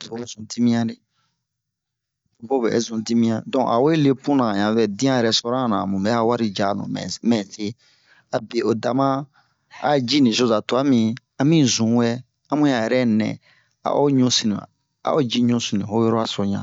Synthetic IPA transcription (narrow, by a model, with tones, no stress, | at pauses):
to˨o˦zũ˨ti˦mĩ˦ã˦de˦ | o˨bo˦bɛ̰˨˦zũ˨ti˦mĩ˦ã˦dɔ̃˨ʔa̰˨wo˦e˦le˦pũ˦nã˨ɲã˨vɛ˨dĩ˦ã˦jɛ˨ɾɛ˦sɔ˦ɾã˦˨nã˨mũ˨ɛ˦a˦wa˦ɾi˦d͡ʒa˨nṵ̃˨mɛ̰̃˨mɛ̃˨se˦ | a˨be˨o˨da˨mã˦ | a̰˦d͡ʒi˦nĩ˨so˦˨za˨to˨a˦mĩ˨ | ã˦mĩ˦zũ˨˦wɛ˦ | a˦mũ˦ã˨jɛ˨ɾɛ˦nɛ̰̃˨ | a̰˨ʔo˦ɲũ˦si˨nĩ˨ã̰˨ | a̰˨˦o˦d͡ʒi˦ɲũ˦si˨nĩ˨ho˦jɔ˦ɾo˦a˦so˨ɲã̰˨